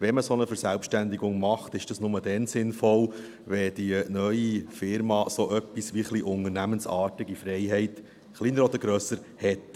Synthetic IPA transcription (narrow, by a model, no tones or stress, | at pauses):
ʋɛməsonəfəɾsælpʃtænd̪ɪɡʊŋmɑχt̪ɪʃd̥ɑsnʊmədɛnsɪnfɔl | ʋɛd̥inœʏifɪɾmɑːsoʔœpːisʋiχliʔʊnəɾnæmənsɑːtɪɡifɾɛɪɦɛɪt | χlinəɾɔd̪əɾɡɾøsəɾ | hɛt